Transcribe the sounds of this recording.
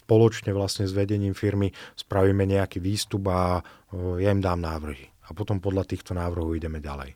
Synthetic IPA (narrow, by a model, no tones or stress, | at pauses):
spɔlɔt͡ʃɲɛʋlasɲɛzʋɛɟɛɲiːmfiɾmispɾaʋiːmɛɲɛakiːʋiːst̪uba | jaimd̪aːmnaːʋr̩ɦi | apɔt̪ɔmpɔd̪ʎat̪iːxt̪ɔnaːʋr̩ɦɔiɟɛmɛɟa̰lɛ̰j